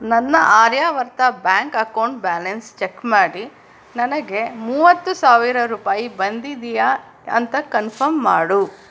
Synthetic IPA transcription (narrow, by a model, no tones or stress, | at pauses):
nɐnːɐʔaːɾjaːʋɐɾt̪ɐbjaːŋkɐkɐwɳʈbaːlɐnst͡ʃekmaːɽi | nɐnɐɡe̞muːʋɐt̪ːusaːʋiɾɐɾuːpaːjibɐnd̪id̪ija | ɐ̰nt̪ɐkɐnpʰɐɾmːaːɽu